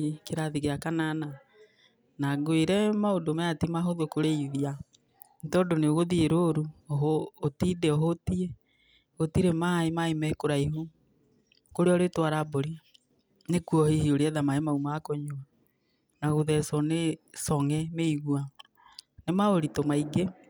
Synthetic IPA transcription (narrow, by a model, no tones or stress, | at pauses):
keɾaðiɣeakanana | naɡweɾɛmaodomaatimaɦoðokoɾeiðia | ntɔːdoneoɣoðieɾoɾuoɦoːtidɛoɦotie | ɣotiɾemaemaimɛkoɾaiɦu | koɾeɔɾetwaɾaboɾi | nekuɔhihioɾeɛðamaemaumakoɲoa | naɣoðɛsɔnesɔŋɛmeiɣwa | nemaoɾitomaiɡe